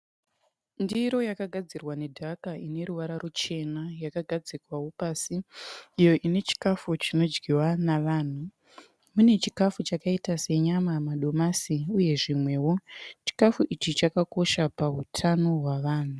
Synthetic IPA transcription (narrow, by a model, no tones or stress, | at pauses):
ndiɾo̞jakaɡʱad͡zirwane̞dʱakaine̞ɾuʋaɾarut͡ʃe̞najakaɡʱad͡zikwawo̞paːsiːjo̞ʔine̞t͡ʃi̥kafut͡ʃino̞d͡ʒɡiwanaʋaːn̤u | mune̞t͡ʃikafut͡ʃakaitase̞ɲamamaɗo̞masiuje̞ʐimwe̞wo̞t͡ʃi̥kafuʔit͡ʃit͡ʃakako̞ʃapautʰano̞ɦwaʋaːn̤u